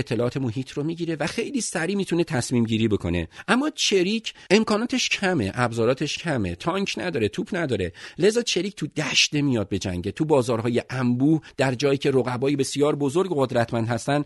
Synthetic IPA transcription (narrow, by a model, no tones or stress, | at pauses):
et̪ʰːe̞lɒʔːt̪ʰe̞mo̞ɦiːt̪ʰɾomiːɟiːɾe̞væxe̞jliːsæɾiːmiːt̪ʰunet̪ʰæsmiːmɟiːɾiːbo̞kʰo̞̰ne̞̰ʔæmːɒːt͡ʃʰeɾicʰʔe̞mkʰɒːnɒːt̪ʰeʃcʰæme̞̰ʔæbzɒːɾɒːt̪ʰeʃcʰæme̞̰t̪ʰɒːŋkʰnæd̪ɒːɾe̞t̪ʰuːpʰnæd̪ɒːɾe̞le̞zɒːt͡ʃʰe̞ɾiːc̚ʰʲt̪ʰud̪æʃd̪e̞mijɒd̪̚be̞d͡ʒæ̰ŋɟet̪ʰubɒːzɒːɾɦɒːje̞ʔæmbuːhd̪̥æɾd͡ʒɒːjiːcʰe̞ɾoɣæbɒːjibe̞sijɒːɾbo̞zoɾɡɣod̪ɾæt̪ʰmænd̪hæst̪ænd